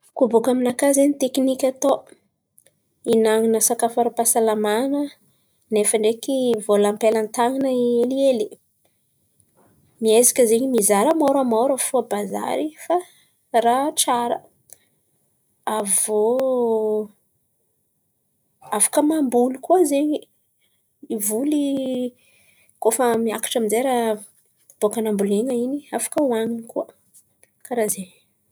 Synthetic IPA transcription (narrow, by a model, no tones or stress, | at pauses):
kubukaminakazenit̪ekinikʲat̪o | inaŋinəsakafaɾapasalamanə | nefəɳɖ͡ʐekivolampelant̪aŋinəelieli̥ | miezi̥kʲəzeɲimizaɾəmoɾamoɾəfuəbaza̰ɾifa | raʈ͡ʂaɾə̰ | avo | afḁkəmambulukuəzeɲi | ivuli | kofəmiakḁʈ͡ʂaminzeɾa | b̥okanambuleŋəiniafḁkəwaŋinikuə | kaɾazeɲ